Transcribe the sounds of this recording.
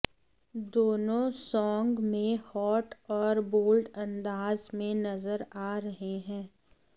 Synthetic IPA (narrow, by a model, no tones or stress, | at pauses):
d̪oːnõsɔːŋɡmẽhɔːʈɔːɾboːlɖɐ̃nd̪aːzmẽnɐzəɾaːɾɐɦeɦɛ̃ː